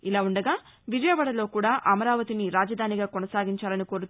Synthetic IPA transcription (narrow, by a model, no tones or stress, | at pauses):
ilaːuɳɖɐɡaː | ʋid͡ʒɐjɐʋɐɽɐlo̞ːkuːɽaːʔɐmɐɾaːʋɐt̪iniɾaːd͡ʒɐd̪ʱaːniɡaːkɔnɐsaːɡiɲt͡ʃaːlɐniko̞ːɾut̪